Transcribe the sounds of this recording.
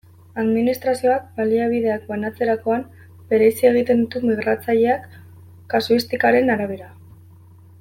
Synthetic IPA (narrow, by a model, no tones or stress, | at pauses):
aðminist̪ɾasio̞ak̚baliaβ̞iðe̞ak̚banat͡se̞ɾako̞am | be̞ɾe̞sie̞ɣ̞it̪e̞nd̪ut̪umiɣ̞ɾat͡saʎe̞akː | asuist̪ikaɾe̞naɾaβ̞e̞ɾa